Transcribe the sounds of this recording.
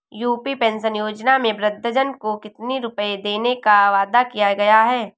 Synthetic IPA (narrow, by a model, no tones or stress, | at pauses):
juːpipẽːnʃənjoːd͡ʒnamẽbɾɪd̪ʱːəd͡ʒənkokɪt̪niɾʊpəed̪eːnekaʋaːd̪akijaɡɐjaɦɛː